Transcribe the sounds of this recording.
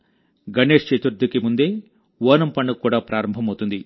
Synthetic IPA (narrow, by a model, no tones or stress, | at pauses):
ɡɐɳe̞ːʂt͡ʃeːt̪uɾd̪ʱːukimund̪e̞ː | ʋoːnɐmpɐɳːukuːɽaːpɾʔaːɾɐmbʱɐmɐwt̪und̪i